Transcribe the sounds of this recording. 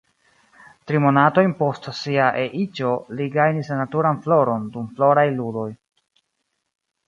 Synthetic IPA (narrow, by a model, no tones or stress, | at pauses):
tɾimo̞nato̞jnpo̞stsiaʔeʔit͡ʃo̞liɡajnisnatuɾanflo̞ɾo̞ndumflo̞ɾajludo̞j